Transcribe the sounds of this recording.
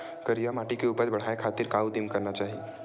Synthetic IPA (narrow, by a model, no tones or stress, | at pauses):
kəɾijamaʈikeupəɾbəɽ̤aekʰat̪iɾkaud̪imkəɾnat͡ʃaːɦi